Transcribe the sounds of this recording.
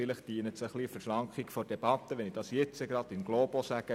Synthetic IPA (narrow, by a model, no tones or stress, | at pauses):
ɪləχd̥iːənət̪səχlifəɾʃlɑŋkχikfɔd̥eb̥ɑt̪ːəʋɛnid̥ɑsjɛt͡səɡɾɑd̪ɪnɡloːb̥osæɡ̥ə